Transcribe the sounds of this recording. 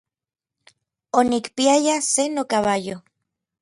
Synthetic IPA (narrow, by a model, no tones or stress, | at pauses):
onikpiajasenokaβajo